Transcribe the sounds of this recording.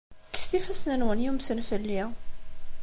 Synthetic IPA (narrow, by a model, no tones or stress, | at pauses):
kːə̥st̪ifæsnænwənjumsənfəlːi